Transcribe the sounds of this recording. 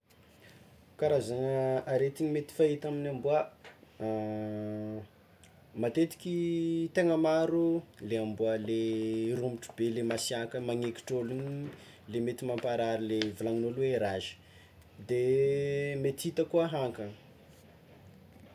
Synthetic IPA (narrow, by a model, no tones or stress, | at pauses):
kaɾazaŋəaɾet̪iɲimet̪i̥fait̪aminambuə | mat̪et̪i̥kʲit̪eŋəmaɾuleambuəlerumiʈ͡ʂu̥belemasiakəmaŋeki̥ʈ͡ʂoliɲi | lemet̪imampaɾaɾilevulaŋinolweɾazi̥ | d̪e | met̪it̪əkuəɦaŋkə